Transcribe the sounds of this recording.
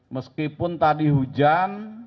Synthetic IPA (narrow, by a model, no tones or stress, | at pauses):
məskipʊnt̪adiɦud͡ʒan